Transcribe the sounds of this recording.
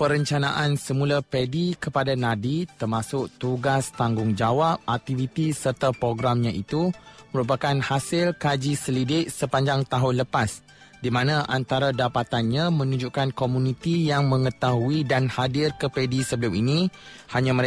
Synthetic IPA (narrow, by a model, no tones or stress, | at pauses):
pəɾəɲt͡ʃanaʔansəmulapedikəpadanãdit̪ərmasʊk̚t̪uɡast̪aŋɡʊŋd͡ʒawap̚ak̚t̪ivit̪isərt̪apɾoɡɾamɲãʔit̪uməɾupakanhasɪlkad͡ʒisəlidɪʔ̚səpaɲd͡ʒaŋt̪aɦʊnləpas | dimãnãʔant̪aɾadapat̪anɲãmə̃nuɲd͡ʒukankomunit̪ijaŋmə̃ŋət̪aɦuidanhadɪrkəpedisəbəlʊminĩhaɲãməɾ